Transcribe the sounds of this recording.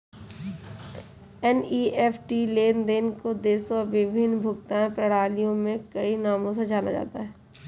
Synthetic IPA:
ɛniːeːfʰʈileːnd̪eːnkod̪eːsoɐbɪbʱɪnbʱʊk̚t̪ãẽpɾɐɽ̤aːlijõmẽkɐinaːmõs̬ed͡ʒaːna̰d͡ʒa̰ːt̪a̰ɦɛː

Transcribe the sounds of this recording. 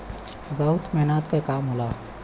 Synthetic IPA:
bəɦʊt̪mɛɦnaːt̪kakaːmɦolaː

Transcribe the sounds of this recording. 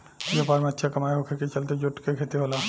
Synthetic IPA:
jopaːɾmẽətːʃʰakɐmajokʰeket͡ʃɐlt̪ed͡ʒʊʈkekʰet̪eɦola

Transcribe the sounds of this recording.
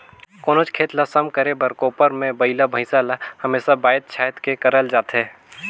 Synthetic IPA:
koːnoːt͡ʃkʰeːt̪lasəmkəɾebəɾkoːpəɾmẽbəɪlabʱə̃ɪ̃salahəmeːsabaːjət̪̚t͡ʃʰaːjət̪kekəɾəld͡ʒaːt̪ɦɛː

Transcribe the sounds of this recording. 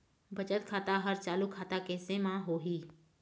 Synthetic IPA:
bʱɐt͡ʃət̪kʰaːt̪aɦəɾt͡ʃaːlukʰaːt̪akɛːsemãɦoːɦiː

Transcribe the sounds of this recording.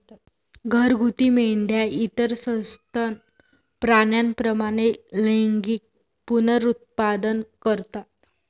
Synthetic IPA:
ɡʱəɾɡʱut̪iːmeɳɖjait̪əɾsə̃st̪ʰan | pɾaɳjanpɾəmaɽ̃eleŋɡiːk̚ | punəɾut̪̚pad̪ənkəɾt̪at̪

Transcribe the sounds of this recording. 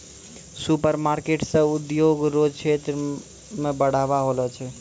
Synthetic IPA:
supəɾmaɾkeʈsə̃ud̪joɡɾod͡ʒt͡ʃʰet̪ɾ | mebəɽ̤aβaɦolɛt͡ʃʰɛ

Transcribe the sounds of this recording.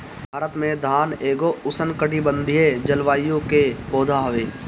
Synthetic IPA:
bʱbʱaːɾət̪mẽd̪ʱaːneːɡoʊsənkəɖibə̃nd̪ʱied͡ʒəlʋaːijõkepoːd̪ʱaɦoʋeː

